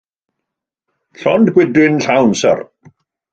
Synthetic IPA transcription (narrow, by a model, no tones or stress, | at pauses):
ɬɔndɡwɪdwɪnɬawnsə̰r